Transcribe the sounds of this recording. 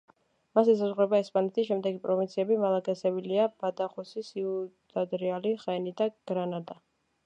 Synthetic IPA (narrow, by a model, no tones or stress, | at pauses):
masɛs̬azʁɾɛbaɛspʼanɛt̪ʰiʃɛmd̪ɛɡipʼɾɔvint̪sʰiɛbimalˠaɡʼɛsɛbiliab̥ad̪aχɔsisiud̪̥ad̪ɾialiχɛnid̪aɡ̥ɾanad̪a